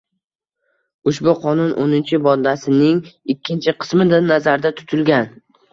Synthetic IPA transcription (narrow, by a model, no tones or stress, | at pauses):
ʊʃbʊqʰɒnʊnʔo̰nɪnt͡ʃʰɪbɒd̪asɪnɪŋɪkʲːɪnt͡ʃʰɪqʰɨ̥smɪd̪anazaɾd̪at̪ʰʊ̥t̪ʰʊlɡʲan